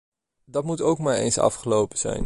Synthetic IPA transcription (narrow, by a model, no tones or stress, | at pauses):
dɑtmutowkmaːɹḛjnsɑ̰fχəlowpəz̥ɛ̰jn